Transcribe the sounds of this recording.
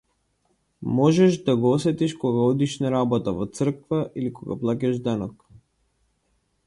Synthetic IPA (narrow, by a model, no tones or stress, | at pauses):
mɔʒɛʃd̪aɡɔɔsɛt̪iʃkɔɡaɔd̪iʃnɛɾabɔt̪avɔt̪sr̩kvaʔilikɔɡa̰plˠacaʒd̪anɔk